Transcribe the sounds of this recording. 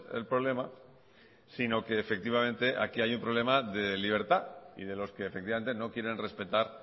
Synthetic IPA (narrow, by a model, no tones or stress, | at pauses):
ḛlpɾole̞ma | sino̞ke̞ːfek̚t̪iβ̞amẽ̞nt̪eʔa̰kiajumpɾole̞maðeliβ̞e̞ɾt̪aḭðe̞lo̞ske̞ːfek̚t̪iβame̞nt̪eno̞kje̞ɾe̞nre̞spe̞t̪aɾ